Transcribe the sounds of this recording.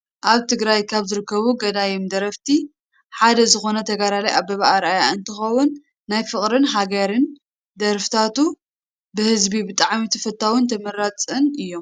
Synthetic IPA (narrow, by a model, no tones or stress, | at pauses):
ʔaβt̪ʰɨɡɾajkʰaβzɨɾɨkʰːɐβuɡɐd̪ajimd̪ɐɾɐft̪ʰi | ħad̪ɐzɨxo̞nɐt̪ʰɐɡaɾalɐjʔaβbɐβaʔaɾajaɨnt̪ʰɨxɐwunː | ajfɨχʼɾɨnɦaɡɐɾɨn | d̪ɐɾft̪ʰat̪u | bɨhɨzbibɨt̪ʼaʕmit̪ʰɐfɐt̪ʰːawɪnt̪ʰɐmɐɾat͡sʼɨnʔɨjːo̞m